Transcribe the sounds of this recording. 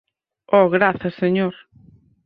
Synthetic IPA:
ɔɣɾaθɐseɲoɾ

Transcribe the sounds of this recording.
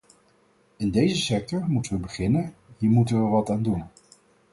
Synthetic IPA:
ɪndejzəsɛk̚tɔɹmutəʋəbəχɪnənɦiːɹmutənʋəɹʋɑtaːndun

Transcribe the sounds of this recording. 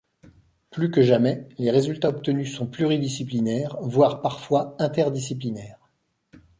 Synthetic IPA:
plykəʒamɛleʁezylt̪aɔp̚t̪ənysɔ̃plyʁid̪isiplinɛːʁvwaʁpaʁfwaɛ̃t̪ɛʁd̪isiplinɛːʁ

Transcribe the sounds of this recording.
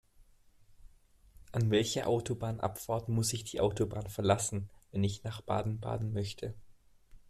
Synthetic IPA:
ʔanvɛlçɐʔaʊtʰobaːnʔa̰pfaɐtmʊsɪçd̥iːʔaʊtobaːnfɛɐlasn̩vɛnɪçnaːχb̥a̰ːdn̩ba̰ːdn̩mœçtʰə

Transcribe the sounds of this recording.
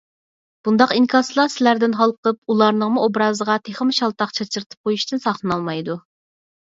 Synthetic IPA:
b̥und̪ɑqiŋkʰɑslˠɑsɪlæɾd̪ɪnɦɑlˠqəp̚ulˠɑɾnəŋmuobɾɑːzəʁɑt̪ʰeχəmɪʃɑlˠt̪ɑqt͡ʃʰɑt͡ʃʰɨɾt̪ʰɨ̥p̚qʰojuʃt̪ɨnsɑχlˠɨnɑlˠmɑjd̪u

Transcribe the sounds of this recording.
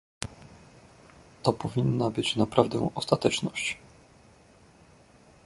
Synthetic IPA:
t̪ɔpɔvʲinːabɘt͡ɕnapɾavd̪ɛ̰ɔst̪at̪ɛt͡ʂnɔɕt͡ɕ

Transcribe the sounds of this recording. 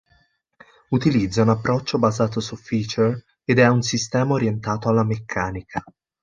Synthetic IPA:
ut̪ilid̪zːaunapːɾɔt͡ʃːobazaːt̪osufiːt͡ʃer | ed̪ɛunsist̪ɛːmaoɾjent̪aːt̪oalːamekʰːaːnikʰa

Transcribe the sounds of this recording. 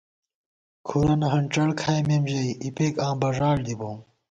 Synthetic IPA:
kʰuɾɐnɐɦɐɳʈ͡ʂɐɽkʰaːjmemʑɐiipeːkãːbɐʐaːɽd̪ibõːm

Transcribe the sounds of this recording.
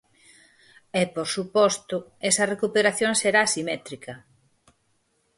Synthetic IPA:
ɛpoɾsupɔst̪ʊɛsɐrekupeɾaθjõŋseɾaːsimɛt̪ɾikʰɐ

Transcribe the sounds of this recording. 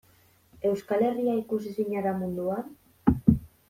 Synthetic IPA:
ewskaleriaikus̬isiɲaɾamũnd̪uaɾ

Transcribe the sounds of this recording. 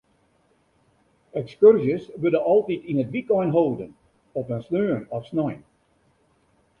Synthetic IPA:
ɛkskørzjəsʋødəɔlˠtitinətʋikɔjnɦowdən | ɔpənsnøːnɔfsnɔjn

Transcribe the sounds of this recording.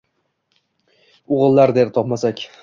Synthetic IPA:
ʊʁɨlˠːaɾd̪eɾt̪ʰɒpmasakʲ

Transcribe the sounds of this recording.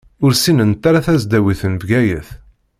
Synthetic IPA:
ʊɾsinənt̪aɾaθæzd̪æwiθənvɡæjəθ

